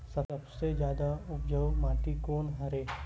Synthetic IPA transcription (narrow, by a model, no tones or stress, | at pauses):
sɐɾəbsed͡ʒjaːd̪aʊpd͡ʒəʋmaːʈikoːnɦɐɾeː